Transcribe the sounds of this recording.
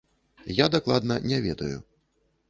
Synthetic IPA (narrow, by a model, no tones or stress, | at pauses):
jad̪aklˠad̪nɐnʲɛvʲɛd̪ɐjṵ